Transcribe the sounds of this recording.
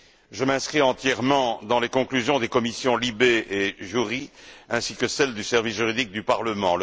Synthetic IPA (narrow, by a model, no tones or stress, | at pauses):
ʒəmɛ̃skχiɑ̃t̪jɛʁmɑ̃d̪ɑ̃lekɔ̃klyzjɔ̃d̪ekɔmisjɔ̃libeʔeʒyʁiɛ̃sikəsɛld̪ysɛʁvisʒyʁid̪ik̚d̪ypaʁləmɑ̃l